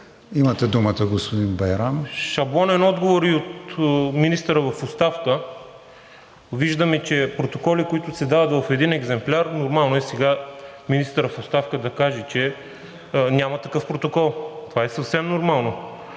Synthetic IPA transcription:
imɐt̪ɛd̪umət̪əɡospod̪inbɐjɾamʃɐbˠɔnɛnɔd̪ɡovoɾiot̪minist̪əɾəvɐfʊst̪afkə | viʒd̪əmɛt͡ʃɛpɾot̪okɔlikoit̪ʊsɛd̪avɐt̪vɐfɛd̪inɛɡzɛmplʲaɾnoɾmalˠnoɛsɛɡaminist̪əɾəfost̪afkəd̪ɐkaʒɛt͡ʃɛ | nʲamɐt̪ɐkɤfpɾot̪okɔlˠt̪ovaɛsɐfsɛmnoɾmalˠno

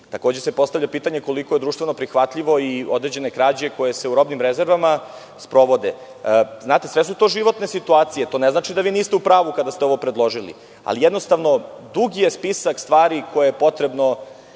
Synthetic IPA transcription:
t̪akoːd͡ʑese̞po̞st̪avʎʲapiːt̪aɲe̞ko̞likojed̪ɾuːʃt̪ve̞no̞pɾixʋat̪ʎiʋo̞io̞d̪ɾe̞d͡ʑe̞ne̞kɾaːd͡ʑeko̞je̞se̞uɾo̞bnimɾeze̞ɾʋama | spɾo̞ʋo̞d̪e | znaːt̪e̞sʋesut̪o̞ːʒiʋo̞t̪nesit̪uaːt̪sijet̪oːneznaːt͡ʃid̪aʋiːniːst̪eupɾaːʋukad̪ast̪eo̞ʋopɾed̪lˠo̞ʒilḭ | a̰lijed̪no̞st̪aʋno̞d̪uɡijespisakst̪ʋaːɾikʰojejepo̞t̪ɾe̞bno̞

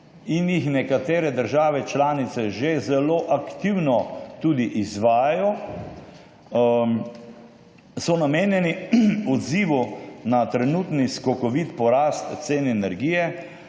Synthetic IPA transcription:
injixnɛkat̪eːɾɛd̪əɾʒaːʋɛt͡ʃlaːnit̪sɛʒezɛloːʔakt̪iwnɔt̪uːd̪iʔizʋaːjajɔ | sɔnameːnjɛniɔd̪ziːʋunat̪ɾɛnuːt̪niskɔkɔʋit̪pɔɾaːst̪t̪seːnɛnɛɾɡiːjɛ

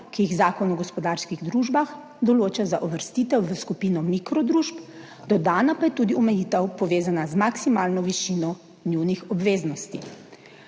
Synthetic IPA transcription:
kijiɣzaːkɔnɔɡɔspɔd̪aːɾskiɣd̪ɾuːʒbax | d̪ɔloːt͡ʃazaʔɔʋəɾst̪iːt̪ɛwʋəskupiːnɔmikɾɔd̪ɾuːʃp | d̪ɔd̪aːnapajɛt̪ud̪iɔmɛjit̪ɛwpɔʋeːzanazmaksimaːlnɔʋiʃinɔ | nuwnixɔbʋeːznɔst̪i

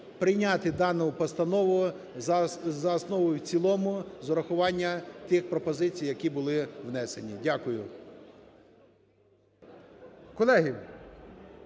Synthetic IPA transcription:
pɾɪjnʲat̪ɪd̪ɑnʊpɔst̪ɐnɔʋʊ | zɐːsnɔʋʊjʊwt͡sʲilˠɔmʊzɔɾɐxʊʋɑnʲːɐt̪ɪxpɾɔpɔzɪt͡sʲijɐkʲibʊlˠɪʋnɛsenʲidʲakʊjʊ | kɔlˠɛɦi

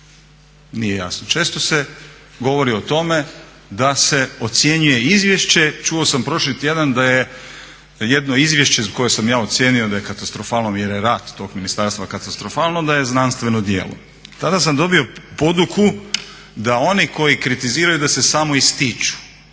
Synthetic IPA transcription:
nijeja̰snot͡ʃe̞ːst̪o̞se | ɡo̞ʋo̞ɾio̞t̪o̞me̞ | d̪ase̞o̞t̪sje̞ɲuje̞izʋʲje̞ʃt͡ɕe̞t͡ʃuosampɾo̞ʃlit̪je̞d̪and̪aje | jed̪no̞izʋje̞ʃt͡ɕeizko̞jesamjaːo̞t̪sje̞ːnio̞d̪ajekat̪ast̪ɾo̞faːlnomjeɾeɾaːt̪ːo̞ɡminist̪aɾst̪ʋakat̪ast̪ɾo̞faːlnod̪aje̞znanst̪ʋe̞nod̪jḛːlˠo̰ | t̪ad̪asamd̪o̞bio̞po̞d̪uku | d̪ao̞niko̞jikɾit̪iziːɾajud̪ase̞samo̞ist̪it͡ʃu̥

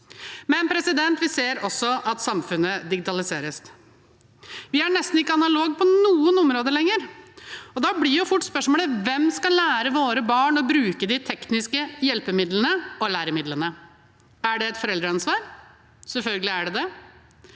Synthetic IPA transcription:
mɛnpʰɾɛsɪd̪ɛnt̪ʋɪseːɾɔsːɔʔɑt̪sɑmfʉnːəd̪ɪɡɪt̪ɑlɪseːɾəs | ʋɪæɳɛst̪n̩ɪkːəɑnɑloːɡ̚pʰɔnuːənɔmɾoːd̪əlɛŋːəɾ | ɔd̪ɑblɪjʊfʊʈːspœʂmɔːləʋɛmskɑlːæːɾəʋoːɾəbɑːɳɔbɾʉːkəd̪ɪt̪ʰɛknɪskəjɛlpəmɪd̪lənəɔlæːɾəmɪd̪lənə | æɖɛɛt̪fɔɾɛld̪ɾəɑnsʋɑːɾ | sɛlfœlɡəlɪæɖɛd̪ɛ

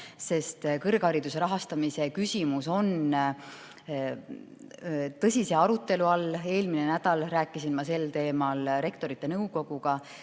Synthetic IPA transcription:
se̞st̪kɤrɡ̥hɑɾid̪useɾɑɦɑst̪ɑmise̞kysʲimuso̞n | t̪ɤ̞sʲise̞ɑɾut̪ːˑe̞luɑle̞ːlminenæd̪̥ɑlræːkːˑisinmɑse̞lt̪e̞ːmɑlɾe̞kt̪o̞ɾit̪ˑːe̞nɤwko̞ɡ̥uɡ̥ɑ

